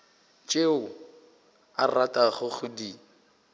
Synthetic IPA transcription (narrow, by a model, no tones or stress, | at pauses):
t͡ʃʼeʊ | aratʼaχʊχʊdi